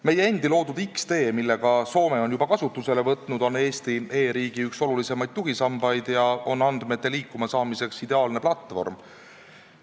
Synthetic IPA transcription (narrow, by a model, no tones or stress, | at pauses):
me̞jeend̪ilo̞ːd̪ud̪ikst̪e̞ːmilːe̞ɡ̥ɑso̞ːme̞o̞njubɑkɑsut̪ːˑuse̞le̞vɤt̪ˑnud̪̥o̞ne̞ːst̪ie̞ːɾiːɡ̥iykso̞lulise̞mɑjd̪̥̚t̪uɦisɑmbɑjd̪jɑo̞nːɑnd̪̥me̞t̪ːe̞liːkːˑumɑsɑːmise̞ksid̪e̞ɑːlne̞plɑt̪ːˑvo̞̰rm